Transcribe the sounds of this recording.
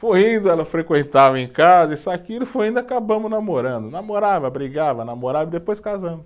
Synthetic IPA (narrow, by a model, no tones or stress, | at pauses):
fuĩnd̪ʊɛlɐʊfɾekwẽnt̪avɐẽj̃kazɐɪisakiɾʊfuĩnd̪ʊakabɐ̃mʊznamoɾɐ̃nd̪ʊnamoɾavɐbɾiɡavɐnamoɾavɐid̪epojskazɐ̃mʊ